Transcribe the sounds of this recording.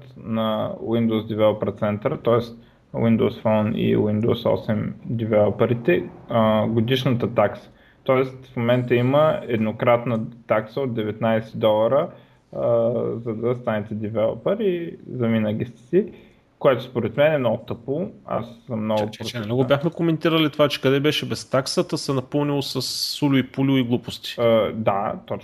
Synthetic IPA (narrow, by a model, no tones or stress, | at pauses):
t̪nɐwind̪oʊsd̪ivɛlˠopəɾt̪sɛnt̪ɾət̪ɔɛst̪ | wind̪oʊsfɔnḭwind̪o̰wsɔ̰sɛmd̪ivɛlˠopəɾit̪ɛ | ɡod̪iʃnət̪ət̪aksə̥ | t̪ɔɛst̪fmomɛnt̪əiməɛd̪nokɾat̪nət̪aksəod̪̚d̪ɛvɛt̪najsɛd̪ɔlˠəɾə | zɐd̪ɐst̪anɛt̪ɛd̪ivɛlˠo̰pəɾizɐminəɡist̪ɛ̥si | koɛt̪ʊspoɾɛt̪mɛnɛmnɔɡʊt̪ɤpoa̰səmːnɔɡʊpɾoɛmnɔɡobʲjaxmɛkomɛnt̪iɾəlit̪ovat͡ʃɛ̥kɐd̪ɛbɛʃɛbɛst̪aksət̪əsɛnɐpɤlˠnilˠosɐsːulʲʊipulʲʊiɡlˠupost̪i̥d̪at̪ɔt͡ʃ